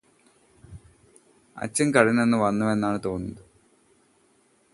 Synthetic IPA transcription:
ɐ̰t͡ɕːɐŋkɐɻinːenːɨʋɐnːume̞nːaːɳɨt̪o̞ːnːuɐðɨ

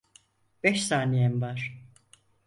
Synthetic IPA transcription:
b̥ɛʃsaːnijɛmvaɾ̥

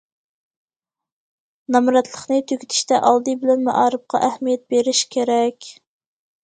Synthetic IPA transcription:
nɑmɾɑt̪lˠəχnɨt̪ʰøkʲi̥t̪ʰɪ̥ʃt̪ɛʔɑlˠd̪ɨbɪlɛnmæ̰ʔɑːɾɨp̚qʰɑ̰ʔæhmijɛt̪̚beɾɪʃkʲʰeɾɛkʲ

